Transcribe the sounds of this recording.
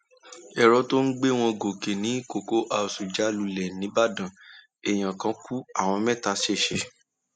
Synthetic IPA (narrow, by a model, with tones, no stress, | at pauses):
ɛ˦˨ɾɔ˧to˦n̩˦ɡ͡be˦˨w̃ɔ̃˧ɡo˨ke˨nĩ˨˦ko˨ko˦ʔa˨su˨d͡ʒa˨˦lu˧lɛ˨nĩ˨˦ba˦dã˨ | e˨j̃ã˨kã˧˦ku˦a˦˨w̃ɔ̃˧mɛ̃˦˨ta˧ʃe˦˨ʃɛ˨